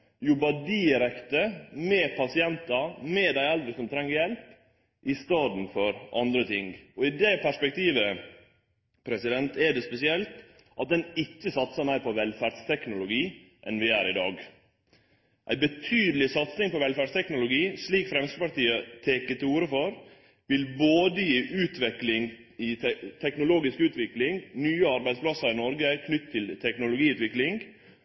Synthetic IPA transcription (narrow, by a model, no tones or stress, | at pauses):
jʊbɑɖɪɾɛkt̪əmɛpʰɑsɪɛnt̪ɑmɛd̪æɪɛld̪ɾəsɔmt̪ʰɾɛŋːəɾjɛlp | ʔɪst̪ɑːd̪n̩fɔɾʔɑ̰nd̪ɾət̪ʰɪŋɡɔɪd̪ɛpʰæʂpɛk̚t̪ʰiːʋə | pʰɾɛsɪd̪ɛnt̪ʰɛɖɛspɛsɪɛlt̪ | ʔɑt̪̚d̪ɛnɪkːəsɑt̪səmæɪɾpʰɔʋɛlfæːɖst̪ʰɛknʊlʊɡiː | ʔɛ̰nʋɪæːɾɪd̪ɑːɡ | ʔæ̰ɪbət̪ʰyːd̪əlɪsɑt̪sɪŋpɔʋɛlfæːɖst̪ʰɛknʊlʊɡiːsliːkfɾɛmst̪əpɑʈ̪iːət̪ʰeːkət̪ɪuːɾəfɔɾ | ʋɪlboːd̪əjiːʔʉːt̪ʰʋɛklɪŋ | ɪt̪ʰɛknʊloːɡɪskʉːt̪ʋɪklɪŋnyːəɑɾbæɪd̪splɑsəɾɪnɔɾɡəkʰnʏt̪ʰːɪlt̪ʰɛknʊlʊɡiːʉːt̪ʋɪklɪŋɡ